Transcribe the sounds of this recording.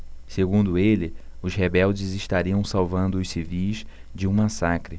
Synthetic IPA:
seɡũnd̪ʊelɪʊzɦebɛwd͡ʒɪzɪʃt̪aɾiɐ̃w̃sawvɐ̃nd̪ʊːsivijz | d͡ʒɪũmasakɾɪ

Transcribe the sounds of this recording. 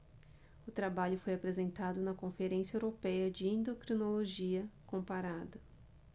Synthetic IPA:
ʊt̪ɾabaʎʊfojapɾezẽnt̪ad̪ʊnɐkõfeɾẽsijɐewɾopɛjɐd͡ʒɪẽnd̪okɾinoloʒiɐkõpaɾad̪ɐ

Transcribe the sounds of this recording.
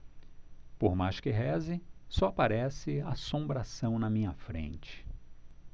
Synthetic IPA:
poɾmajʃkɪɦɛzɪsɔapaɾɛsɪasõmbɾasɐ̃w̃nɐmĩɲɐfɾḛ̃nt͡ʃɪ̥

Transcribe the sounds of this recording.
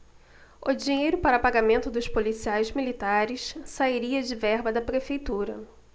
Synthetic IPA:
ʊd͡ʒiɲejɾʊpaɾɐpaɡamẽnt̪ʊd̪ʊʃpolisiajzmilit̪aɾɪssaiɾiɐd͡ʒɪvɛɾbɐd̪ɐpɾefejt̪uɾɐ̰

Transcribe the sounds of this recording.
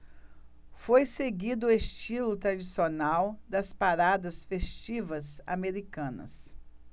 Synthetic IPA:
fojseɡid̪ʊest͡ʃilʊt̪ɾad͡ʒisionawd̪ɐspaɾad̪ɐsfest͡ʃivɐza̰meɾikɐ̃nɐ̰s

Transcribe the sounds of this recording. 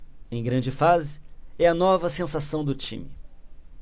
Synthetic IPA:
ẽj̃ɡɾɐ̃d͡ʒɪfazɪɛɐnɔvɐsẽsasɐ̃w̃d̪ʊt͡ʃḭ̃mɪ

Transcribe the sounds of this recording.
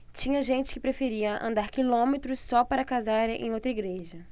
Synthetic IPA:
t͡ʃĩɲɐʒẽnt͡ʃɪ̥kɪpɾefeɾiɐʔɐ̰̃nd̪aɾkilõmet̪ɾʊsːɔpaɾɐkazaɾḛ̃j̃owt̪ɾɐiɡɾeʒɐ

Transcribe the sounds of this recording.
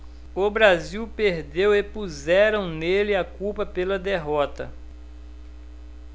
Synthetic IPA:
ʊbɾaziwpeɾd̪ewepuzɛɾɐ̃w̃nelɪakuwpɐpelɐd̪eɦɔt̪ɐ̰

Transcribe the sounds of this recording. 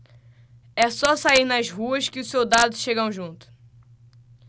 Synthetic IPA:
ɛsɔsaiɾnɐzɦuɐʃkɪʊsewd̪ad̪ʊʃeɡɐ̃w̃ʒũnt̪ʊ̥

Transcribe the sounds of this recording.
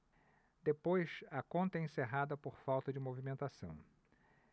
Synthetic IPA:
d̪epojsɐkõnt̪ɐẽseɦad̪ɐpoɾfawt̪ɐd͡ʒɪmovimẽnt̪asɐ̰̃w̃

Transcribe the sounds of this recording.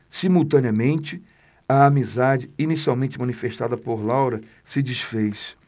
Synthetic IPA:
simuwt̪ɐ̃niɐmẽnt͡ʃɪ | ɐːmizad͡ʒɪinisiawmẽnt͡ʃɪmɐ̃nifeʃt̪ad̪ɐpoɾlawɾɐ | sɪd͡ʒisfejs

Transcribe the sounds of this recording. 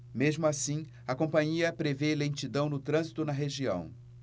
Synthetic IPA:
mezmʊasĩ | ɐkõpɐ̃ɲiɐpɾevelẽnt͡ʃid̪ɐ̃w̃nʊt̪ɾɐ̃zit̪ʊnɐɦeʒiɐ̰̃w̃

